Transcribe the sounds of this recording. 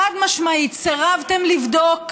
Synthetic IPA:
ad̪maʃmait̪t͡seʁavt̪e̞mlivdo̞k

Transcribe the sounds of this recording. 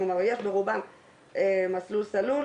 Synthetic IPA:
omaʁjeʃbeʁubam | emaslulsalu

